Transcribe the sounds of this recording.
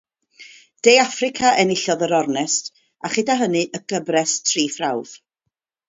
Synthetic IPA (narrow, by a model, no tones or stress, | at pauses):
d̥ejafrɪkʰaʔɛnɪɬɔðəɾɔrnɛst | aχɪdaɦənɨʔəɡ̥əbrɛstʰriːfrawð̥